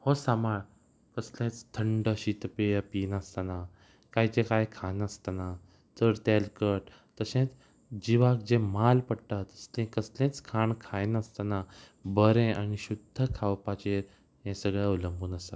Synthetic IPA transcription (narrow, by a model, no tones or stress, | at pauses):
hɔsamaɽ | kəslẽt͡st̪ʰəɳɖəɕit̪pejapiːnast̪ana | kajt͡ɕekajkʰanəst̪na | t̪əɾt̪ɛlkəʈ | t̪əsẽt͡s | d͡ʑiʋakd͡zemalpəɽt̪at̪əslẽkəslẽt͡skʰaɳkʰajnəst̪na | bəɾẽʔañiɕud̪ʱːəkʰawpat͡ɕeɾ | jɛ̃səɡɭjauləmbʱuːnəsat̪